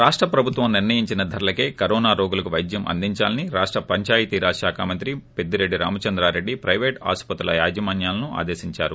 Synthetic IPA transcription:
ɾaːʂʈɾɐpɾɐbʱut̪ʋɐmniɾnɐjiɲt͡ʃinɐd̪ʱɐɾulɐkeːkɐɾɔːnaːɾoːɡulɐkuʋɐjd̪jɐmʔɐ̰nd̪iɲt͡ʃaːlɐniɾaːʂʈɾɐpɐɲt͡ʃaːjɐt̪iɾaːʃaːkʰaːmɐnt̪ɾipe̞d̪ːiɾe̞ɖːiɾa̰ːmɐt͡ʃɐnd̪ɾaːɾe̞ɖːipɾɐjʋeːʈa̰ːspɐt̪ulɐ̰ja̰ːd͡ʒimaːnjaːlɐnuʔa̰ːd̪eːsiɲt͡ʃaːɾu

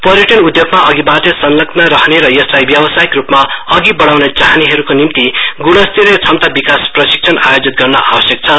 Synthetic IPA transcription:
pʌɾjʌʈʌnud̪joɡmaʔʌɡibatesʌnlʌknʌɾʌɦneɾʌjʌslajbjʌbʌsajikrupmaʌɡibʌɽawnʌt͡saɦaniɦʌɾukonimt̪iɡuɽʌst̪iɾet͡sʰʌmt̪abikasprʌsi̥k̚t͡sʰʌnajod͡zit̪̚ɡʌrnʌʔa̰bʌsjʌk̚t͡sʰʌ

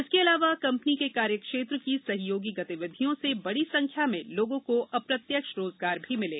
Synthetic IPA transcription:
ɪskeɐlaːʋakɐ̃mpənikekaːɾjəkʃeːt̪ɾəkisɐɦjoːɡiɡɐt̪iʋɪd̪ʱijõsebɐɽisɐ̃ŋkʰjamẽloːɡõkoʔɐpɾɐt̪jəkʃɾoːzɡaːɾbʱimɪlḛː

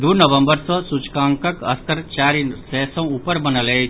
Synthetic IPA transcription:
d̪uɾnəʋə̃mbəɾsɔ̃sut͡ʃkãːŋkəkɐ̰st̪ʰəɾt͡ʃaːɾinsɛsɔ̃upəɾbɐnəle

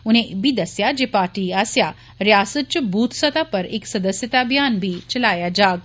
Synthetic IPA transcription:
un̤ẽbʱid̪ɐsjad͡ʑepaːʈiasja | ɾjaːsət̪̚t͡ʃbʱuːt̪sɐt̪apəɾeksɐd̪əsjət̪abʱijaːnbʱiːt͡ɕɐlaːjad͡ʑaːɡ

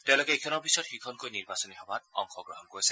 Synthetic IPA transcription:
tɛʊ̃lokeejkʰɔnɔɹbʱisɔtxikʰɔnkojniɹbasɔniɦɔbat̚ɔ̰ŋxʰɔɡɹɔɦɔnkoɹisɛ̥

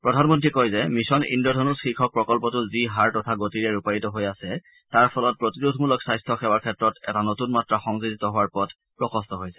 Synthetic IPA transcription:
pɹɔdʱanmɔntɹikɔjzɛmisɔnḭndɔdʱɔnɔsxikʰɔk̚pɹɔkɔlpɔtʊziɦaɹtɔtʰaɡotiɹɛɹupaɹitɔɦojasɛ | taɹpʰɔlɔt̚pɹotidudʱmulɔksajstʰɔxɛwakʰɛtɹɔtɛtanotunmatɹaxɔŋzuditɔɦʊwaɹpɔdʰʱ | pɹɔkʰɔstɔɦojsɛ̥

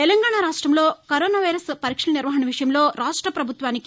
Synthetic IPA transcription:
ɛlɐŋɡaːɳaːɾaːʂʈɾɐmlo̞ːkɐɾoːnaːʋɐjɾɐspɐɾikʂɐlɐniɾʋɐɦɐɳɐʋiʂɐjɐmlo̞ːɾaːʂʈɾɐpɾɐbʱut̪ʋaːnik

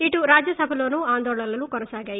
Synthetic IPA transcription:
iʈuɾaːd͡ʒjɐsɐbʱɐlo̞ːnuːaːnd̪ɔːɭɐlɐnukɔnɐsaːɡaːji

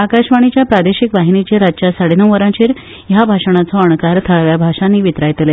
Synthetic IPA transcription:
akaɕʋaɽ̃it͡ɕjapɾad̪eɕikʋaɦinit͡ɕeɾad͡ʑt͡ɕjasaɽenəw̃ʋəɾãt͡ɕeːɾ | jabʱaʂəɳ̃at͡sɔəɳkaɾt̪ʰəɭʋjabʱaʂãnːiːʋit̪ɾajt̪le

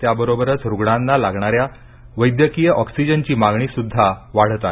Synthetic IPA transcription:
t̪jabəɾobəɾət͡sɾuɡɳ̃anːalaɡɳ̃aɾja | ʋəjd̪jəkijəʔɔksid͡ʑənt͡ɕiːmaɡɳiːsud̪ʱːaʋaɽ̤t̪a

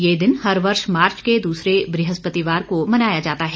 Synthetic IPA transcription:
jeːd̪ɪnɦɐɾʋɐɾʃmaːɾt͡ʃked̪uːsɾebɾɪɦəspət̪iʋaːɾkomɐnaːjad͡ʒaːt̪aɦɛ

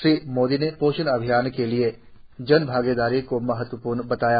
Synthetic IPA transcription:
ʃɾiːmoːd̪inepoːʃənɐbʱijaːnkelie | d͡ʒɐnbʱaːɡeːd̪aːɾikomɐɦət̪wəpuːɾnbɐt̪aːjaː

